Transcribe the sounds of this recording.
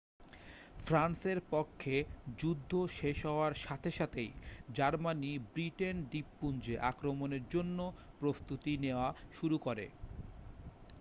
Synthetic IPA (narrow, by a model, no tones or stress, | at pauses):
fʰɾanseɾpokʰːed͡ʑud̪ʱːoʃeʃɦɔoaɾʃat̪ʰeʃat̪ʰejd͡ʑaɾmanibɾiʈenɖ̪ipːund͡ʑeʔakɾomoneɾd͡ʑonːo | pɾost̪ut̪ineoaʃuɾukoɾḛ